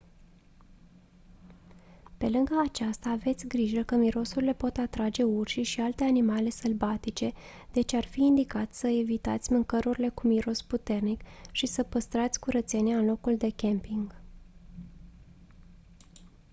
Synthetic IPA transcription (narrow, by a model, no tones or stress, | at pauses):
pe̞lɨŋɡəːt͡ʃast̪aːve̞t̪sʲɡɾiʒəkəmiɾo̞surile̞po̞t̪at̪ɾad͡ʒe̞urʃiʃialt̪e̞animale̞səlbat̪it͡ʃe̞ | d̪̥e̞t͡ʃearfiːnd̪ikat̪ʲsəevit̪a̰t̪sʲmɨŋkəɾuɾile̞kumiɾo̞sput̪e̞rnikʃisəpəst̪ɾat̪sʲkuɾət̪se̞nʲeaɨnlo̞kuld̪e̞kʲempiŋɡ